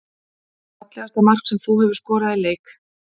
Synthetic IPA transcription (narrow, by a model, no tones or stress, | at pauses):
at̪lɛɣast̪amar̥ksɛmθuhɛvʏɾ̥skɔːɾaðileːjk